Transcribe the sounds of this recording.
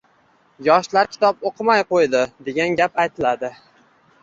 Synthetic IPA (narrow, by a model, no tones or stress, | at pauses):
jɒʃlaɾkʲʰɪ̥t̪ʰɒpoqʰɨmajqojd̪ɪd̪e̞ɡʲanɡʲapajt̪ʰɪlad̪ɪ